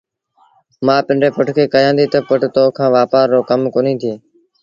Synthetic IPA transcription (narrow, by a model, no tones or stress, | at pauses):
mãːpɪ̃ɳɖeːpʊʈʰkʰeːkəjãːnd̪iːt̪əpʊʈt̪oːkʰãːʋaːpaːɾːoːkəmkoːnĩːt̪ʰɪjeː